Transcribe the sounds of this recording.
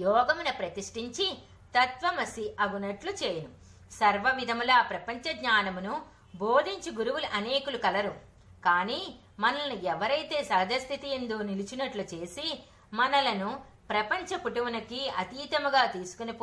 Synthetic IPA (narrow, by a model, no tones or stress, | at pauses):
jɔːɡɐmunɐpɾɐt̪iʂʈiɲt͡ʃi | t̪ɐt̪ʋɐmɐsiʔɐɡunɐʈlut͡ʃeːjɐnu | sɐɾʋɐʋid̪ʱɐmulaːpɾɐpɐɲt͡ʃɐɡɲaːnɐmunu | boːd̪ʱiɲt͡ʃiɡuɾuwulɐʔɐneːkulukɐlɐɾu | kaːniː | mɐnɐlɐnuɛʋɐɾɐjt̪e̞ːsɐːd̪ʱɐst̪ʰit̪iend̪oːnilit͡ʃinɐʈlut͡ʃe̞ːsi | mɐnɐlɐnu | pɾɐpɐɲt͡ʃɐpuʈɐʋɐnɐkiɐt̪iːt̪ɐmɐɡaːt̪iːsu̥kunipː